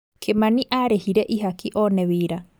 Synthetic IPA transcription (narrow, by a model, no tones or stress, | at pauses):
kʰemãniʔaɾehiɾeʔiɦakʰiʔoːneβiːɾa